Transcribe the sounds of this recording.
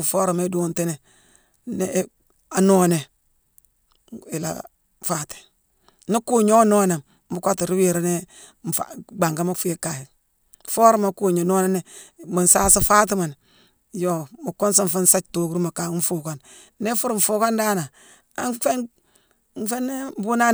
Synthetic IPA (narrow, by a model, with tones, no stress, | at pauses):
foː˦ɾo˨me˦do˦nte˦ne˨ | ne˦ | a˨no˦ne˨ | i˨la̰˨ | fa˨te̥˨ | ni˦ku˦ɲo˦no˦ne˨m | bu˦ka˦ti˨ɾi˦wi˨ɾa˦ne˦˨ | fa̰ɡ͡ba˨ŋɡa˦ma˦fu˦e˦ka˨ji˨ | fo˦ɾma˨ku˦ɲa˨no˦ne˦ne˦ma˨nsaː˦si˦faː˦t̬i˦ma˨n | jo˨ma˨kːo˦ns̬a˦ɱ˨fa˦n˦sa˦t͡ʃto˨ku˦ɾu˦ma˨ka˨˦ɱ˦fu˨ka˦˨nː | e˦fu˦ɾɱfu˨˦ka˦nda˦na˨ | a˦ŋfe˦n˦ | fe˦ne˦m˦bu˦na˦